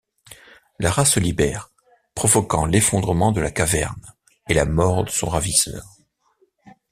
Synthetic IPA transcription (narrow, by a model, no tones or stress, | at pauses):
laʁasəlibɛʁ | pχɔvɔkɑ̃lefɔ̃d̪ʁəmɑ̃d̪əlakavɛ̰ʁn | elamɔʁd̪əsɔ̰̃ʁavisœ̰ʁ